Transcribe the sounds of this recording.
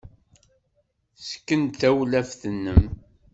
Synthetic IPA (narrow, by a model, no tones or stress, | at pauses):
sə̥kːənθæwlæfθənːəm